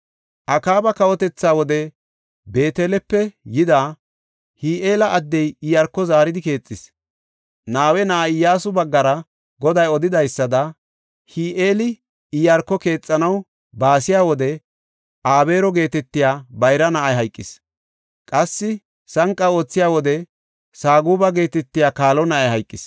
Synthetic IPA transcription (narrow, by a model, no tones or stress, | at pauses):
ʔɐkaːbɐkɐwɔt̪ɛt͡sːaːwɔd̪ɛ | be̞ːt̪elɛpːɛjɪd̪aː | hiːʔe̞ːlɐʔɐd̪ːɛjɪjɐɾkːɔzaːɾɪd̪ɪke̞ːt͡sʼːɪs | naːwɛnaʔːɪjːaːsʊbɐɡːɐɾɐ | ɡɔd̪ɐjɔd̪ɪd̪ɐjsːɐd̪ɐ | hiːʔeːlɪ | ɪjɐɾkːɔke̞ːt͡sʼːɐnɐw | baːsɪjaːwɔd̪ɛ | ʔaːbe̞ːɾɔɡe̞ːt̪ɛt̪ːɪjaːbɐjɾɐnɐʔɐjɦɐjkʼːɪs | kʼɐsːɪ | sɐŋkʼːɐo̞ːt͡sːɪjaːwɔd̪ɛ | saːɡuːbɐɡe̞ːt̪ɛt̪ːɪjaːkaːlɔnɐʔɐjɦɐjkʼːɪs